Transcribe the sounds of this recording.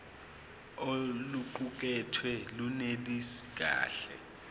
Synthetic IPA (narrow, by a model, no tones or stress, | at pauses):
oluǃuk̬ʼɛtʰwɛlunelisi̥ɡ̥̬ʱa̰ːɬɛ̰